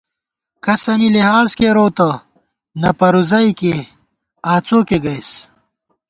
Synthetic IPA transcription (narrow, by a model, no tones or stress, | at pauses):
kɐsɐniliɦaːzkeɾoːt̪ɐ | nɐpɐɾuzɐike | aːt͡soːkeɡɐjs